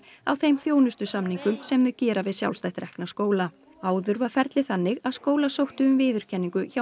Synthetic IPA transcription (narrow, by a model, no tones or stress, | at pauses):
a̰wθejmθjoːwnʏst̪ʏsamniŋkʏmsɛmðʏcɛːɾavɪðsja̰wlst̪ajht̪ɾɛhknaskoːwla | aːwðʏɾvafɛɾt̪lɪθanːɪɣaðskoːwlasowht̪ʏʏmvɪːðʏɾ̥cʰɛnːiŋkʏça